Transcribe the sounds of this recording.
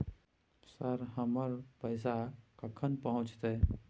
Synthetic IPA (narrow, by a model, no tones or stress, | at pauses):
səɾɦəməɾpəɪsakəkʰənpəɦʊ̃t͡ʃt̪e